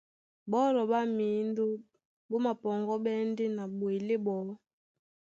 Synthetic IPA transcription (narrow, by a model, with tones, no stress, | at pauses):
bɔ˦lɔ˨ba˦mi˨˦ndo˦ | bo˦ma˨pɔ˨ŋɡɔ˦ɓɛ˦nde˦na˨bwe˨le˦bɔ˨˦